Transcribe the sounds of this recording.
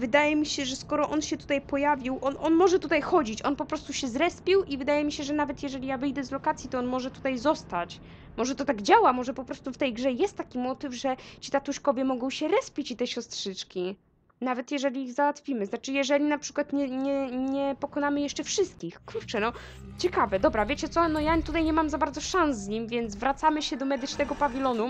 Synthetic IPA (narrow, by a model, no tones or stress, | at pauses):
vɘd̪ajɛmʲiɕɛʐɛskɔɾɔʔɔnɕɛt̪u̥t̪ajpɔjavʲiwʔɔnʔɔnmɔʐɛt̪ut̪ajxɔd͡ʑit͡ɕɔnpɔpɾɔst̪uɕɛzɾɛspʲiwʔivɘd̪ajɛmʲiɕɛʐɛnavɛt̪jɛʐɛlʲijavɘjd̪ɛzlɔkat̪sʲjit̪ɔɔnmɔʐɛt̪ut̪ajzɔst̪at͡ɕ | mɔʐɛt̪ɔt̪aɡd͡ʑawamɔʐɛpɔpɾɔst̪uft̪ɛjɡʐɛjɛst̪ːakʲimɔt̪ɘvʐɛt͡ɕit̪at̪uʂkɔvʲjɛmɔɡɔ̃w̃ɕɛɾɛspʲit͡ɕit̪ɛɕɔst̪ʂɘt͡ʂkʲi | navɛt̪jɛʐɛlʲiːɣzawat̪fʲimɘznat͡ʂɘjɛʐɛlʲinapʂɘ̥kwat̪ɲɛɲɛɲɛpɔkɔnamɘjɛʂt͡ʂɛfʂɘst̪̚kʲixkuɾt͡ʂɛnɔt͡ɕɛkavɛd̪ɔbɾavʲjet͡ɕɛt̪sɔnɔjat̪ut̪ajɲɛmamzabaɾd̪zɔʂãñszɲimvʲjɛnt̪zvɾat̪samɘɕɛd̪ɔmɛd̪ɘt͡ʂnɛɡɔpavʲilɔnu